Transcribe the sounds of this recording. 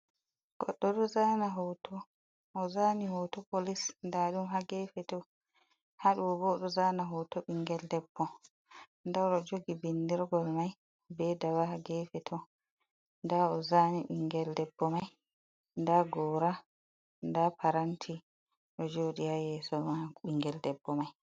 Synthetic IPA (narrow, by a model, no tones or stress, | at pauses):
ɡ̥ɔɗːɔɗɔzanaɦɔwtɔː | zanihɔwtɔpolisndaɗumɦaɡɛfɛtɔ | haɗuɔbɔɗɔzanaɦɔwtɔɓiŋɡɛldɛbːɔ | ndaɗɔd͡ʒoɡibindiɾɡɔlmaj | bɛdawahaɡɛfɛtʰɔ | ndaɔzaniɓiŋɡɛldɛbːɔmaj | ndaɡɔɾa | ndapʰaɾantʰi | ʔɔd͡ʒoɗihajɛsɔmaɓiŋɡɛldɛbːɔmaj